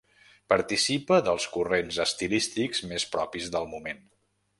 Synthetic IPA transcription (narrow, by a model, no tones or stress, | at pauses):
pəɾt̪isipəðəlˠskurenzəst̪ilist̪ikzmespɾɔpizðəlˠmumen